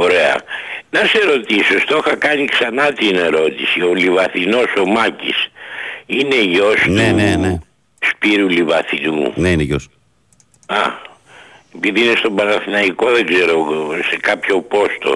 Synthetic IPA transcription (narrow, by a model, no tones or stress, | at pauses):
o̞ɾe̞ɐ̰nɐse̞ɾo̞t̪isost̪o̞xɐkɐniksɐnɐt̪ineɾo̞t̪isio̞livɐθino̞so̞mɐcḭs | ine̞ʝo̞stneunene | spiɾulivɐθinuneineʝos | ɐ | epiðiinest̪o̞bɐnɐθinɐiko̞ðe̞ɡze̞ɾo̞se̞kɐpço̞po̞st̪o̞̰